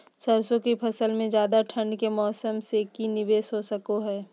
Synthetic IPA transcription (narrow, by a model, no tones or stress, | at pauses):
səɾsõkipʰɐsəlmẽd͡ʒjaːd̪aʈʰɐ̃ɳɖkemɔːsəmsekinɪʋeːsɦosɐkoɦɛː